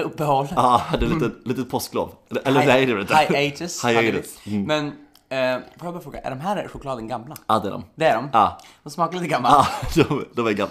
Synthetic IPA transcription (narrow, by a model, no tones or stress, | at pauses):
ɵpːəhɔlːɑːhad̪ɛɾlit̪əliːt̪ət̪pʰɔst̪ɡlo̰ːvʔɛlːəɛjɾɾɛlt̪ajɛd͡ʒɪshajɛɪsmɛn | fɔjabɑːɾfɾoːɡa̰ʔæ̰ɖɔmɦæːɾɧʊkʰlɑːd̪ənɡamlaɑːd̪ɛ̰ɖɔ̰md̪ɛæɖɔmɑːd̪ɔmsmɑːkaɾliːt̪əɡamːaːd̪ɔmd̪ɔmæɾɡam